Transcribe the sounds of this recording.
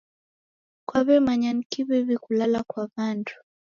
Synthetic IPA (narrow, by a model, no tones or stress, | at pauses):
kwaβɛmaɲanikiβɛβikulalakwaβandu̥